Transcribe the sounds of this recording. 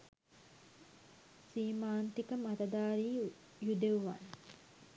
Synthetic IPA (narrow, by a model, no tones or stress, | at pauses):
siːmaːnt̪ikəmat̪ɐd̪aːɾiː | jud̪euʋa̰n